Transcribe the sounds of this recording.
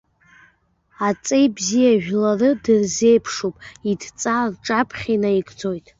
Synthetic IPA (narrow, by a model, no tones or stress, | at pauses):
at͡sʼejbzijaʒᶣlarɨdɨrze̞jpʰʂupʼidt͡sʼarʈ͡ʂʼapʰχʲanajɡʼd͡zo̞jtʼ